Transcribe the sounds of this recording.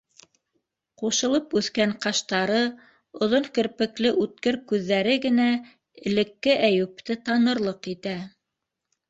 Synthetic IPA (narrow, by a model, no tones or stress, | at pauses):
quʃɤ̆lˠɤpʉθkæŋqɑʃt̪ɑɾɤ | ŏðoŋkɘ̆ɾpɘ̆klɘʔʉt̪̚kɘɾkʉðːæɾɘɡɘ̆næ | ɘ̆lɘ̆kːɘʔæjʉp̚t̪ɘt̪ɑnɤ̆ɾlˠɤqit̪æ